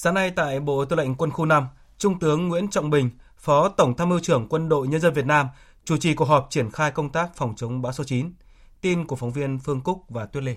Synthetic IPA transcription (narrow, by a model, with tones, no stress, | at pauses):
zaː˨˦ŋna˧jt̪a̰ː˧˨jɓo̰˧˨t̪ɨ˧˩la˧˨ŋ̟kwə˧nxu˧na˧m | t͡ɕʊ˧ŋ͡mt̪ɨ˨˦əŋːwḭ˧˥ənt͡ɕɔ̰˧˨wŋ͡mɓï˨˩ŋ̟ | fɔ˨˦t̪ə˧˩wŋ͡mt̪ʰa˧mɨ˧t͡ɕɨ˧˩əŋkwə˧nɗo̰˧˨jɲə˧nzə˧nvi˨˩ət̚naː˧m | t͡ɕu˧˩t͡ɕi˨˩ku˨˩ək̚ɦɔ˨˩p̚t͡ɕi˧˩ənxaː˧jkə˧wŋ͡mt̪aː˦˥k̚fwŋ͡mt͡ɕə˨˦wŋ͡mɓaː˨˦wsɔ˨˦t͡ɕi˨˦n | t̪i˧nku˧˩əfɔ˨˦wvi˧ənfɨ˧əŋkʊ˦˥k̚vaː˨˩t̪wi˧˥le˧